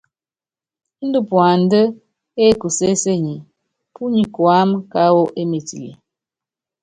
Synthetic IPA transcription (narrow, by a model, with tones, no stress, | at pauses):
n̩˦du˦pwa˨n˦də˦ | e˦˨ku˨se˦se˦ɲi˨ | pu˦ɲi˨kwa˦m˦ka˦wo˦ʔe˦me˨tḭ˨lḭ˨